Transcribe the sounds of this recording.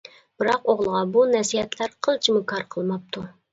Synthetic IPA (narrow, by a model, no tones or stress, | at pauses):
b̥ɨɾɑqoʁlˠəʁɑbunɛsihɛt̪ʰlæɾqʰəlˠt͡ʃʰimʊkʰɑɾqʰəlˠmɑp̚t̪ʰu